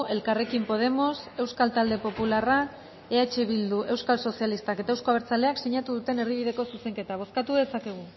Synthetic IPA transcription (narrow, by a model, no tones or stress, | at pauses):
e̞lkare̞kimpo̞ð̞e̞mo̞se̞wskalt̪ald̪e̞po̞pulara | e̞at͡ʃeβild̪uʔe̞wskalso̞sijalist̪ake̞t̪aewsko̞aβeɾt͡sale̞akseɲat̪uðut̪e̞ne̞ɾðiβ̞iðe̞ko̞suse̞ŋke̞t̪aβ̞o̞skat̪uðe̞sake̞ɣ̞u